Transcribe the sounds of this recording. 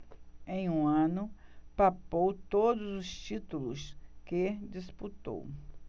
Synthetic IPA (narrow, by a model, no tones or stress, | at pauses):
ẽj̃ũɐ̃nʊpapowt̪od̪ʊzʊst͡ʃit̪ulʊsked͡ʒisput̪o̰w